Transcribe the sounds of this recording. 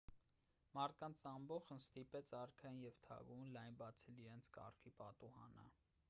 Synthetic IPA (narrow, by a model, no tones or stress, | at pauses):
mɑɾt̪̚ʰkɑnt͡sʰɑmbɔχənst̪ipɛt͡sʰɑɾkʰɑjinjɛvt̪ʰɑ̰ɡunlɑjnbɑt͡sʰɛliɾɛnt͡sʰkɑ̰rkʰipɑt̪uhɑ̰nə̰